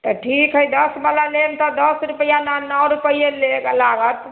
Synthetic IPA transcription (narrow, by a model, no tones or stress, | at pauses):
t̪ɔʈʰikɦəjd̪əsbalalemt̪ɔd̪əsɾupjananəwɾupəjeleɡlaɡət̪